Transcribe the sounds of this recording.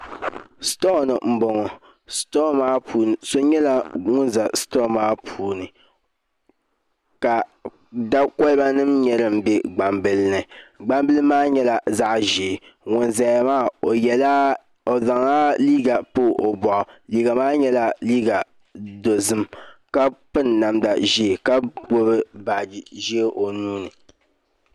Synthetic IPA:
sto˦˨nɨ˨m̩˨bo˨ŋɔ˨ | stɔ˦maː˦pʰuː˨nɨ˨so˦ɲɛ˦la˦ŋʊ˦nza˨stɔ˦˨maː˦pʰuː˨nɨ˨ | ka˨ | da˦kɔ˦lba˦nɨ˦mɲɛ˦ɾɨ˨m̩˦bɪ˦ɡ͡ba˨mbɨ˦lnɨ˨ɡ͡ba˦mbɨ˦lɨ˦maː˦ɲɛ˦la˨za˦ʔʒi˨ŋʊ˨nzɛ˨˦˨maː˦o˨jɛ˨la˦ | o˨za˨ŋa˦liː˦ɡa˨poː˦ʔo˨bɔ˨ʔʊ˨liː˨˦ɡa˨maː˦ɲɛ˦la˦liː˦ɡa˨ | do˨zɨ˦mka˦pɨ˦nːa˨mda̰˨ʒe˦˨ka˦ɡ͡bo˦βɨ˦ba˨d͡ʒʒe˦ʔo˨nuː˦nɨ˨

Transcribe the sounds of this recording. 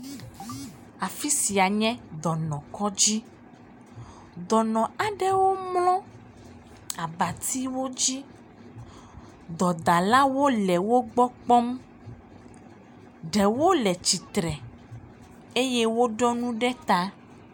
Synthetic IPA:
a˨fi˦si˨a˨ɲɛ̃˦d̪ɔ˨nɔ̃˨kɔ˦d͡ʑi˦ | d̪ɔ˨nɔ̃˨a˨ɖɛ˦wo˦mlɔ̃˦ | a˨ba˨t̪i˦wo˦d͡ʑi˦ | d̪ɔ˨d̪a˨la˦wo˦lɛ˨wo˦ɡ͡bɔ˦k͡pɔ˦m | ɖɛ˨wo˦lɛ˨t͡ɕi˨t̪ɾɛ˨ | e˦jɛ˦wo˦ɖɔ˦nũ˦ɖɛ˦t̪a˦

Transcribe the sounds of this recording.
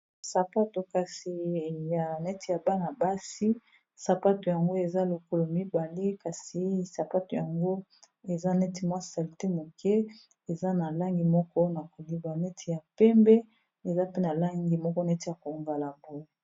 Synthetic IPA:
sa˨pa˦to˨ka˨si˨ja˨nɛ˦ti˨ja˨ba˦na˨ba˦si˦ | sa˨pa˦to˨ja˨ŋɡo˦e˨za˦lo˨ko˦lo˨mi˦ba˨le˦ka˨si˨sa˨pa˦to˨ja˨ŋɡo˦ | e˨za˦nɛ˦ti˨mwa˦si̥˨sa˨li˨te˦mo˨kʰɛ˦ | e˨za˦na˨la˦ŋɡi˨mɔ˦kɔ˦na˨ko˨li˨ba˨nɛ˦tʰi˨ja˨pɛ˦mbɛ˦ | e˨za˦pe˦na˨la˦ŋɡi˨mɔ˦kɔ˦na˨e˦ti˨a˨ko˨ŋva˨la˨bo˦˨

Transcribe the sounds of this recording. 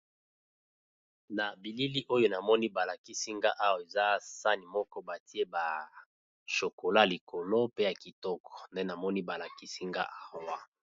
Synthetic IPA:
na˨bi˨li˦li˦ʔo˦jo˦na˨mɔ˦ni˦ba˨la˨ki˦si˦ŋɡa˦ʔa˦wa˨e˨za˦sa˦ni˨mɔ˦kɔ˦ba˨ti˦e˦ba˨ | ʃo˨ko˨la˦˨li˨kʰo˨lo˦pe˦ja˨ki˨tɔ˦kɔ̥˨nde˦na˨mɔ˦ni˦ba˨la˨ki˦si˦ŋɡa̰˦ʔa˦wa˦

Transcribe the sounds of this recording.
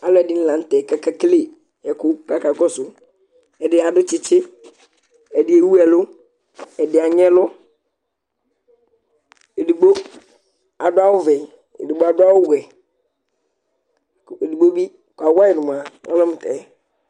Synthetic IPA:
a˨lʊ˦ɛ˨dɪ˦n̩˦lã˨˦n̩˦tɛ˨ka˦ka˦kle˦˨ | ɛ˨kʊ˦ka˦ka˨kɔ˦sʊ˨ | ɛ˨dɪ˨a˨dʊ˦t͡ʃɪ˦t͡ʃɪ˦ | ɛ˨dɪ˨˦e˨wu˦ɛ˨lʊ˦ | ɛ˨dɪ˨a˨ɲɛ̃˦lʊ˦ | e˨di˨bo˦ | a˨dʊ˦a˦wʊ˦vɛ˨ | ḛ˨di˨bo˦a˨dʊ˦a˦wʊ˦wɛ˨ | e˨di˨ɡ͡bo˦bi˦ | ka˨wa˦ɪ˨nʊ˨m˨a˨ɔ̰˦lɔ̃˦m˨tɛː˨˦

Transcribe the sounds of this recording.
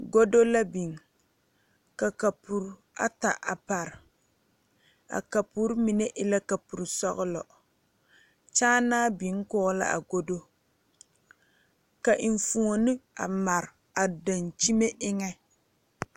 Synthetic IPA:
ɡo˦do˦la˦bi˨ŋ˨ | ka˨ka˨pu˨ɾ | a̰˦ta˨ʔa˨pa˨ɾ | a̰˨ka˨pu˦ɾmi˨ne˦ʔɪ˦la˦ka˨pu˨ɾsɔ˦ɣʊ˦lɔ̰˨ | t͡ʃaː˦naː˦bi˨˦ŋ˦kʊː˦la̰˦ʔa̰˨ɡo˦do˦ | ka˨ʔi˨ɱ˨fu˨o˨nɨ˦a̰˨ma˨ɾ | a˨da˨nt͡ʃi˦me˦ʔɪ˦ŋɛ˦

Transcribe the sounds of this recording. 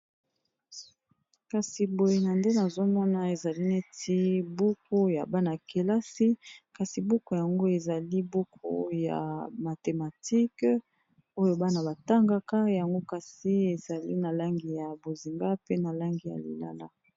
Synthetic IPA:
ka˨si˨bo˨je˨na˨nde˦na˨zo˦mɔ˦na˨e˨za˨li˦ne˦tʰi˦bu˦ko˦ja̰˨ba˦na˨ke˨la˦si˦ka˨si˨bu˦ko˨ja˨ŋɡo˦e˨za˨li˦bo˦kʰo̰˦ja̰˨ma˨te˨ma˨ti˦k | o˦jo˦ba˦na˨ba˨ta˦ŋɡa˦ka˦ja˨ŋɡo˦ka˨si˦e˨za˨li˦na˨la˦ŋɡi˨ja˨bo˨zi˨ŋɡa˦pe˦na˨la˦ŋɡi˨ja̰˨lḭ˨la̰˦la˦

